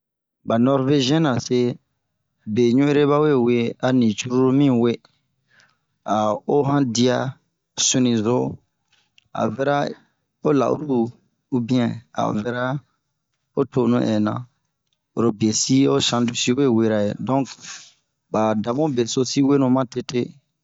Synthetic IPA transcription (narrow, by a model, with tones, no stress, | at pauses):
ba˨nɔ˦ɾve˦ʒĩ˦ɛ̃˦nã˨se˦ | be˨ɲũ˦e˦ɾe˦βa˦we˦˨we˦a˨nĩ˨t͡ʃu˦ɾu˦ɾu˦mĩ˦˨we˦ | a˨o˦ɦã˦di˦a˦ | sũ˦nĩ˨zo˦ | a̰˨vɛ˦ɾa˦ | o˦la̰˨ṵ˦ɾuː˦ | bĩ˦ã˨a̰˨vɛ˦ɾa˦ | o˦to˦nũ˦ʔɛ˨nã̰˨ | o˨ɾo˨bi˨e˨si˦o˦sã˨ndu˦si˦we˦˨we˦ɾa˨jḛ˨dɔ̃˦k | ba˨da˨mũ˦be˨so˦si˦we˦nũ˨mã˦te˦te˦